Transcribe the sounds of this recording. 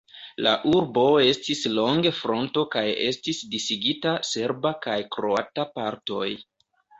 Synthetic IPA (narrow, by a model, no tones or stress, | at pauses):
laʔuɾbo̞e̞stislo̞ŋɡe̞fɾo̞nto̞kaje̞stisdisiɡitase̞ɾbakajkɾoatapaɾto̞̰j